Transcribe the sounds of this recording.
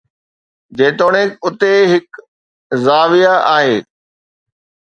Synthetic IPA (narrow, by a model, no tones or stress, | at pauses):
d͡ʑeːʈ̪oːɽ̃ẽkʊt̪eɦɪk | zaːʋijaʔaːɦeː